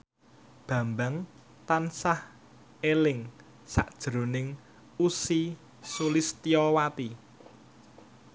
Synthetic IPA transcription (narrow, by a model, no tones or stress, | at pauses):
b̥ä̤mbaŋ | t̪ansah | elɪŋ | sa̰ʔd̥ʒ̥ɾo̤nɪŋ | usi | sulist̪iɔwat̪i